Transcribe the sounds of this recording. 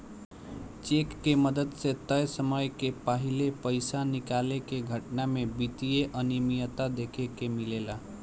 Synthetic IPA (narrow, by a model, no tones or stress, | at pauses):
t͡ʃekːeməd̪əd̪set̪əjsəməjkepaɦilepəjsanikalekeɡʱəʈnamebit̪ijeʔənimijət̪ad̪ekʰekemilela